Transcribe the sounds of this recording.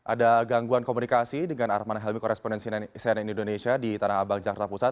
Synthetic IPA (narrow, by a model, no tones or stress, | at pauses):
ʔa̰daɡaŋɡuankomunikasidəŋanaɾamanaɦɛlmikɔɾɛspɔndɛnssninindonesiadit̪anahabaŋd͡ʒakart̪apusat̪̚